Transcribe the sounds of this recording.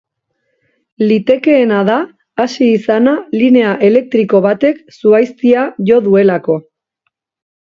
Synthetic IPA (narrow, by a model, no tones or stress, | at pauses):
lit̪e̞ke̞ːnað̞aː | siːsanaline̞aʔe̞le̞k̚t̪ɾiko̞βat̪e̞ksuajst̪iaʝo̞ðue̞lako̞